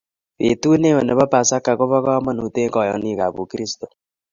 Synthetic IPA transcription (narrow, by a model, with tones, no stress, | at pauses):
βe˨tu˦ne˦we˨ne˨βa˦pa˨sa˦ka˨ko˦βa˦ka˦ma˦nu˨te˦kɔ˨jɔ̰˦ni˦˨ka˨βṵ˨ki˦ɾi˦sto˨